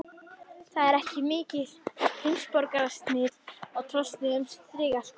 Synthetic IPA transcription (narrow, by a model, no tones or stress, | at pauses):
θaðɛɾɛhcɪmɪːcɪð̥hejmspɔɾkaɾast̪nɪɾɔɣt̪ʰɾɔst̪nɪɣʏmsɾiːɣaɬ